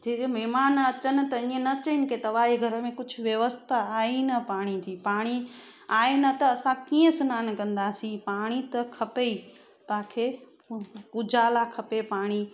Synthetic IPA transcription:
d͡ʑeːmɛɦmaːnɐt͡ɕənɪ̆t̪ɐĩə̃nɐt͡ɕəɪnɪ̆ket̪ɐʋaːɦeɡʱɐɾəmẽkʊd͡ʑʱʰʊʋjɐʋəst̪ʰaaːinɐpaːɽ̃id͡ʑiːpaːɽ̃i | aːenɐt̪ɐːsãkiːə̃sʊnaːnkɐ̃nd̪aːsĩpaːɽ̃it̪ɐkʰɐpei | t̪aːkʰe | ʊd͡ʑaːlakʰɐpepaːɽ̃i

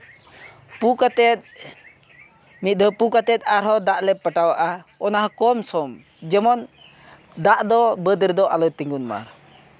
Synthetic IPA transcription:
pukat̪ɛt̪̚ | mit̪̚ˀd̪ɔpukat̪ɛt̪̚ˀaɾɦɔd̪aʔlɛpəʈawaʔaɔnaɦakɔmsɔm | d͡ʒɛmɔn | d̪aʔd̪ɔbəd̪əɾd̪ɔʔalɔjt̪iŋɡunma̰ɾ

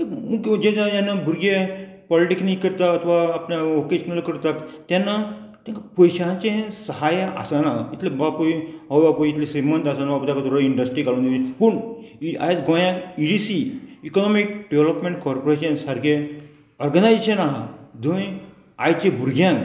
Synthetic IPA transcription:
emuɡd͡ʑẽãd͡ʒanːabʱuɾɡe | pɔliʈiksniikəɾt̪aɐt̪ʰʋaːpnaokeʃənəlkəɾt̪akt̪jãnːa | t̪jãŋkapəjɕant͡sẽsəɦaja̰sanait̪lebapoiɦoʋbapojit̪lesimənt̪asanabaput̪akat̪ɾoiɳɖəsʈɾikalũnd̪uipuɳa̰jt̪ɡõjãkiɖisiikɔnɔmik̚ɖeʋeləpmẽɳʈkɔɾpoɾeɕənsaɾɡe | ɔɾɡənajeɕənaɦad̪oj | ajt͡ɕebʱuɾɡjãn

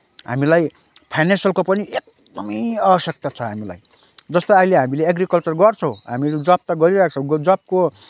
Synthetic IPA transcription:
ɦa̰milaj | pʰajnensjʌlkopʌniʔek̚ | d̪ʌmʌjʌbʌsjʌk̚t̪at͡sʰʌɦamila̰j | d͡zʌst̪oajleɦamileeɡrikʌlt͡sʌrɡʌrt͡sʰʌ̃w̃ɦamiled͡zʌb̚t̪aɡʌɾiɾak̚ʰt͡sʰʌw̃ɡd͡zʌb̚ko

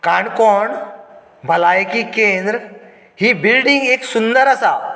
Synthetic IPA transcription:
kaɳkɔɳ | bʱəlajkikẽnd̪ɾ | hibilɖĩŋɡeksund̪əɾəsa

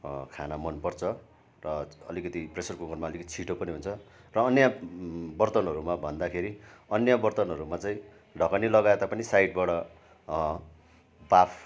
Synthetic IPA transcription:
kʰanamʌnpʌrt͡sʰʌ | rʌʌlikʌt̪ipresʌrkuŋʌrmaʌlikʌt̪i̥t͡sʰiʈopʌniɦunt͡sʰʌ | rʌːnjabʌrt̪ʌnɦʌɾumabʱʌnd̪akʰeɾi | ʌnjabʌrt̪ʌnɦʌɾumat͡saĩ | ɖʱʌkanilʌɡaet̪apʌnisajɖ̚bʌɽʌ | bapʰ

